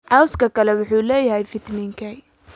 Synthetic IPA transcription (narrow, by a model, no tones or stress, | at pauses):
ʕɑwskɐkʰɐlɛwʊħuːlɛːjɐɦɛjfɪt̪mɪŋkʰɛj